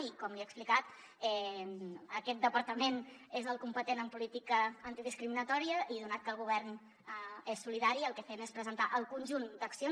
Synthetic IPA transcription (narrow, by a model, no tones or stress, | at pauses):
ikɔmliɛəksplikat̪ | ɛ | əkɛt̪̚d̪əpəɾt̪əmenezəlˠkumpət̪enəmpulit̪ikəːnt̪iðiskɾiminət̪ɔɾiəʔiðunat̪̚kəlˠɣuβ̞ɛrn | esːuliðaɾiəlˠkɛfenespɾəzənt̪aʔəlˠkunʲʒund̪əksio